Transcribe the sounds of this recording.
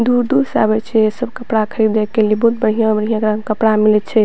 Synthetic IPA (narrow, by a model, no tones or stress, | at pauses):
d̪uɾd̪uɾsa̰bɛt͡ʃʰɛesəbkəpɽakʰəɾid̪ekʰːelibɔɦut̪̚bəɽ̤ijãbəɽ̤ijãɡɾãŋkəpɽamilɛt͡ʃʰɛ